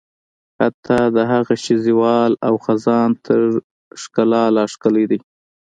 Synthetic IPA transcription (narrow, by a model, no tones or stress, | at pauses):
hat̪ʰɑd̪əɦaɣaʃiziwɑlawxazɑnt̪ʰəɾ | ʂkalɑlɑʂkəlid̪i